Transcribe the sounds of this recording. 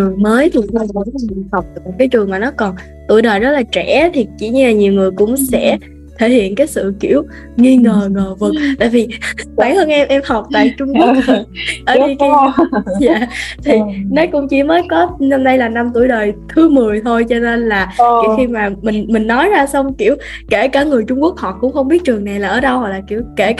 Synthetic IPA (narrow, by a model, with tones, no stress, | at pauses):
t͡ɕɨ˨˩əŋməː˨˦jt̪ʰi˨˩a˧a˧˨˦ha˨˩wk͡p̚ːmu˨˩kaː˨˦jt͡ɕɨ˨˩əŋmaː˨˩nɔ˨˦kɔ˨˩n | t̪u˧˩əjɗəː˨˩jzə˦˥laː˨˩t͡ɕɛ˧˩˥t̪ʰi˨˩t͡ɕḭ˧˩ɲɨ˧laː˨˩ɲi˨˩əwŋɨ˨˩əjkʊ̰˧˥ŋ͡msɛ̰˧˥ | t̪ʰe˧˩hḭ˧˨ənkaː˨˦jsɨ̰˧˨kḭ˧˩əw | ŋi˧ŋəː˨˩ŋəː˨˩vɨ˨˩t̪a̰ː˧˨jvi˨˩waː˧˩həː˧nʔɛ˧mʔɛ˧mha˨˩wk͡p̚t̪a̰ː˧˨jt͡ɕʊ˧ŋ͡mku˨˦˨ə˨˩ʔəː˧˩˦i˧ki˧˦˧zaː˧˨t̪ʰi˨˩nɔ˨˦jkʊ̰˧˥ŋ͡mt͡ɕi˧˩məː˨˦jkɔ˨˦nɔ˧mɗə˧jlaː˨˩na˧mt̪u˧˩əjɗəː˨˩jt̪ʰɨ˨˦mɨ˨˩əjt̪ʰo˧jt͡ɕɔ˧ne˧nlaː˨˩i˧˨˦xi˧maː˨˩mï˨˩ŋ̟mï˨˩ŋ̟nɔ˨˦jzaː˧sa˧wŋ͡mki˧˩əwke˧˩kaː˧˩ŋɨ˨˩əjt͡ɕʊ˧ŋ͡mku˦˥ək̚hɔ˨˩t̚kʊ̰˧˥ŋ͡mxə˧wŋ͡mɓi˦˥ət̚t͡ɕɨ˨˩əŋna˨˩jlaː˨˩ʔəː˧˩ɗə˧whɔ˨˩k̚laː˨˩ki˧˩wke˧˩